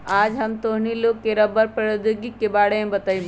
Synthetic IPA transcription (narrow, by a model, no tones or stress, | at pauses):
aːd͡ʒɦɐmt̪oɦniloːɡ̚keɾɐbəɾpɐɽod̪uɡikːebaːɽẽbɐt̪əĩm